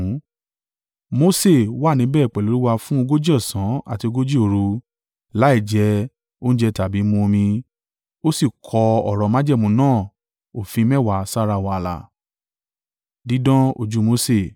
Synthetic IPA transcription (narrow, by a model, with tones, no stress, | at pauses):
mo˧˦se˦˨wa˦˨nĩ˨˦bɛː˦˨k͡pɛ˨lo˨˦ɾi˦wa˧fũ˦o˧ɡo˦d͡ʒɔ˦˨sã˨˦a̰˦˨ti˧o˧ɡo˦d͡ʒi˦o˧˨ɾu˧ | la˨˦i˦˨d͡ʒɛ˧˦ | o˦ñ̩˦d͡ʒɛ˧ta˨bi˨˦mũ˧o˧mĩ˧ | o˦si˦˨kʰɔ˧ɔ˨ɾɔ˧˨mã˦d͡ʒɛ˦˨mũ˧nãː˦˨ | o˨fĩ˧˦mɛ˦˨wa˨sa˦ɾa˧˨wa˧la̰˨ | di˨˦dɔ̃˦o̰˧d͡ʒu˦mo˦se˦˨